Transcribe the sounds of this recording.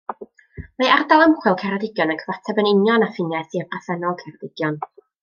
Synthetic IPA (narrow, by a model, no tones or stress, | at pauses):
mejardalˠəmχwɪlˠkʰɛɾadɪɡjɔnənkʰəvatʰɛbənɪnjɔnafɪnjɛθiəpʰaθɛnɔlˠkʰɛɾɔdɪɡ̥jɔn